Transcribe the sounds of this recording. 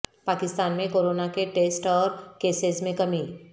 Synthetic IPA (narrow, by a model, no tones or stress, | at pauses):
paːkɪst̪aːnmẽkoːɾoːnakeʈeːsʈɔːɾkeːsezmẽkɐmi